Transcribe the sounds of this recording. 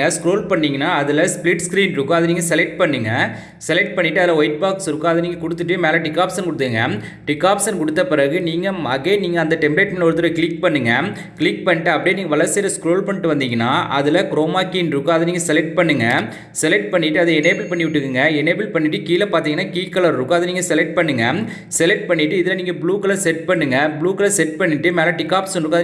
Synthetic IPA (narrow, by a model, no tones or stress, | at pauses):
ɐskɾoːlpɐɳːiːŋɡɐnːaːɐðɪlɐsplɪʈskɪɾiːnɾɯkːɯɐðɐniːŋɡɐsɛlɛk̚ʈ̚pɐɳːɯŋɡɐ | sɛlɛk̚ʈ̚pɐɳːɪʈːɯɐðɪlɐɔjɪʈ̚baːksɾɯkːɯɐðɐniːŋɡɐkʊɽɯt̪ːɯʈːɯmeːlɐʈɪkːaːpsɐnkʊɽɯt̪ːɯɯŋɡɐ | ʈɪkːaːpsɐnkʊɽɯt̪ːɐpɪɾɐɣɯniːŋɡɐmɐɣeniːŋɡɐɐnd̪ɐʈɛmbɪleːʈmɐnʋɔɾɯt̪̬ːɯɾɐkɪɭɪk̚pɐɳːɯŋɡɐ | kɪlɪk̚pɐɳːɪʈːɯɐpːɐɽijniːŋɡɐʋɐɭɐɾseːɾɐskɾoːlpɐɳːɪʈːɯʋɐnd̪iːŋɡɐnːa̰ːʔɐðɪlɐkɾoːmaːkiːnɾɯkːɯɐðɐniːŋɡɐsɛlɛk̚ʈ̚pɐɳːɯŋɡɐ | sɛlɛk̚ʈ̚pɐɳːɪʈːɯɐðɯɛneːbɪlpɐɳːɪʋɪʈːɯkːɯŋɡɐɛneːbɪlpɐɳːɪʈːɯkiːlɐpaːɾt̪iŋɡɐnːaːkiːkːɐlɐɾɾɯkːɯɐðɯniːŋɡɐsɛlɛk̚ʈ̚pɐɳːɯŋɡɐ | sɛlɛk̚ʈ̚pɐɳːɪʈːɯɪðɪlɐniːŋɡɐbɭuːkɐlɐsɛʈ̚pɐɳːɯŋɡɐbɪɭuːkɐlɐsɛʈ̚pɐɳːɪʈːɯmeːlãʈɪkːaːpsɐnɾɯkːɯɐð